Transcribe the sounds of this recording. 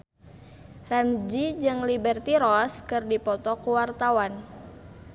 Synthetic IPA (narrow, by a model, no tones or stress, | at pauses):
ramd͡ʒid͡ʒɨŋlibɛrt̪iɾɔskɨrdipɔt̪ɔkuwart̪awan